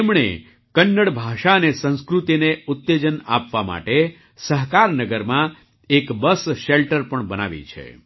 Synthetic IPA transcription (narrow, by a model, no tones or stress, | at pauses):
emɳḛ | kənːəɽbʱaʃaənesə̃ñskɾut̪ineʊt̪ːed͡ʒəna̰pʋama̰ʈe | səɦkaɾnəɡəɾmã | ekbəsʃelʈəɾpəɳbəna̰ʋḭt͡ʃʰḛ